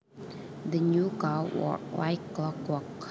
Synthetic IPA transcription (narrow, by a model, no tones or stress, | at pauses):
d̪ənukawɔ̰wa̰jklɔkwɔk̚